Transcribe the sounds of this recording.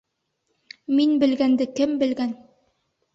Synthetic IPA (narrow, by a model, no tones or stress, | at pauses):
minbɘ̆lɡænd̪ɘkɘmbɘ̆lɡæn